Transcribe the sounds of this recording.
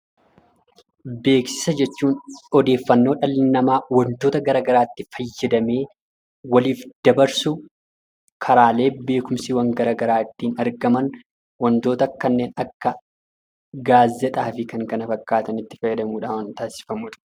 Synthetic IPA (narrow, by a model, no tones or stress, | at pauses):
be̞ːksɪ̥sɐd͡ʒɛt͡ʃːuːnɔd̪e̞ːfːɐnːo̞ːᶑɐlːɪnːɐmaːwɐnt̪o̞ːt̪ɐɡɐɾaːɡɐɾaːt̪ːɪfɐjːɐd̪ɐme̞ː | wɐliːfd̪̥ɐbɐɾsʊ | kʰɐɾaːle̞ːbe̞ːkʊmsiwɐŋɡɐɾaːɡɐɾaːɪt̪ːiːnɐɾɡɐmɐn | wɐnt̪o̞ːt̪ɐkːɐnːe̞ːnɐkːɐ | ɡaːzːɛt̪ʼaːfɪkɐŋkɐnɐfɐkːaːt̪ɐnɪt̪ːɪ̥fɐjːɐd̪ɐmuːᶑaːwɐnt̪aːsɪ̥fɐmuᶑ̥